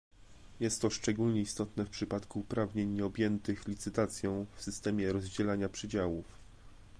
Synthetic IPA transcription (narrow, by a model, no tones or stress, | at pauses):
jɛst̪ːɔʂt͡ʂɛɡulɲɛist̪ɔt̪nɛfpʂɘpat̪kuːpɾavɲeɲːɛɔbʲjɛnt̪ɘxlʲit̪sɘt̪at̪sʲjɔ̃w̃fsɘst̪ɛmʲjɛɾɔzd͡ʑɛlaɲapʂɘd͡ʑawuf